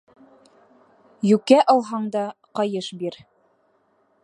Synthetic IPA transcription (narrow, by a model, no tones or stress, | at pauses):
jʉkæʔɑlˠɦɑɴd̪ɑqɑjɤʃbiɾ